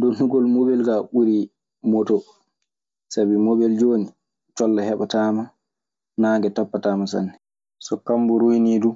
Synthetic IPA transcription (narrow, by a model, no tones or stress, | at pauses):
dɔnɦuɡɔlmobɛlkaɓuɾi | mɔtɔ | sabimobɛld͡ʒoːni | t͡ʃɔlːahɛɓataːma | naːŋɡɛtapːataːmas̬a̰nːɛ | sɔkambuɾujniːdu